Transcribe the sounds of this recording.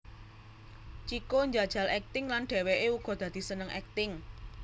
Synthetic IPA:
t͡ʃikoɲd͡ʒad̥ʒ̥ä̤lɛk̚t̪ɪŋlanɖ̪̥e̤weʔeuɡ̥ɔ̤d̪̥äd̪̥i̤sənəŋʔɛ̰k̚t̪ɪŋ

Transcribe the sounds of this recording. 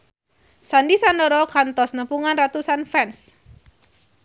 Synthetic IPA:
sandisandəɾɔkant̪ɔsnəpuŋanrat̪usanfɛns

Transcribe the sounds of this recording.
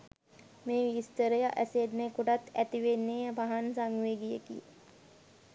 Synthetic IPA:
meːʋist̪əɾəjaʔæsed̪nekuʈat̪ʰæt̪iʋenːeːəbaɦɐnsaŋɡʋeːɡijekḭ

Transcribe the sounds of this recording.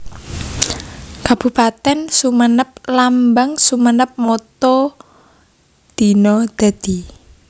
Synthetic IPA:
kab̥ṳpat̪ɛnsumənəp̚lambaŋsumənəp̚mɔt̪ɔ | d̪̥i̤nɔd̪̥a̤d̪̥i

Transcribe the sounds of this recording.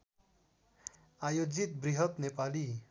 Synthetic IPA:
ajod͡zit̪̚briɦʌt̪nepali

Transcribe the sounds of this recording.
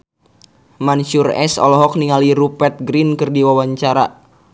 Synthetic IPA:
mant͡ʃurɛ̰sɔ̰lɔɦɔk̚niŋaliɾupɛt̪̚ɡɾinkɨrdiwawaɲt͡ʃaɾa

